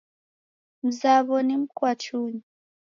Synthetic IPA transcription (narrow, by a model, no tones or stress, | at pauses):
m̩zaβɔnim̩kwat͡ʃuɲi